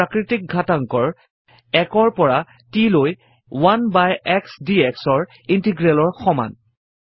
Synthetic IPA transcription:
akɹitik̚ɡʱataŋkɔɹ | ɛkɔɹpɔɹa | tiloj | wanbajɛksdiɛksɔɹ | intiɡɹɛlɔɹxɔma̰n

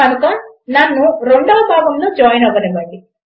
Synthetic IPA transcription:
ɐnɐkɐnnɐnːuɾeɳɖɔːɐbʱaːɡɐmloːd͡ʒaːjnɐʋɐnebɐɳɖi

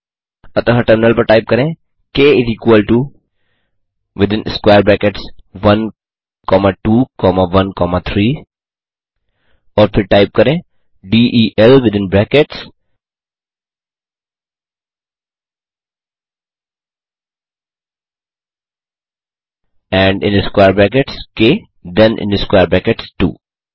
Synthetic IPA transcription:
ɐt̪ə̃ɦɐʈəɾmɪnəlpɐɾʈaːɪp̚kɐɾẽː | keːɪziːkwəlʈu | ʋɪd̪ɪ̃nɪskwaːɾbɾɛːkeʈsʋɐn | kɔːmaʈuːkɔːmaʋɐnkɔːmat̪ʰɾiː | ɔːɾpʰɪɾʈaːɪp̚kɐɾẽː | ɖiːʔiːʔɛlʋɪd̪ɪ̃nbɛːkeʈs | ɛ̃ːɳɖɪ̃nɖiskwajəɾbɛːk̬eʈskeː | d̪ɛ̃nʔɪ̰̃nɖuskwaːəɾbɛːkeʈsʈṵː

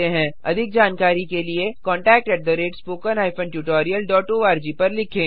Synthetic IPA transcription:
eɦɛ̃ɐ̰d̪ʱɪk̚d͡ʒaːnkaːɾikeliekɔ̃ːɳʈɛːk̚ʈɛːʈ̚d̪əɾeːʈspoːkənɦaːɪpʰə̃nʈjuːʈɔːɾijəlɖɔːʈoːaːɾd͡ʒipɐɾlɪkʰẽː

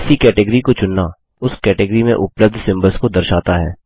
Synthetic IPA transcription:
sikɛːʈɪɡəɾikot͡ʃʊnːa | ʊskɛːʈɪɡɾimẽʔʊpləb̚d̪ʱsɪ̃mbəlskod̪ɐɾʃaːt̪aɦɛː

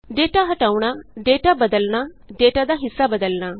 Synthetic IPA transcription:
ɖeːʈaɦɐʈaːuɽ̃aɖ̪eːʈabəd̪əlna | ɖ̪eːʈad̪aɦɪsːabəd̪əlñaː

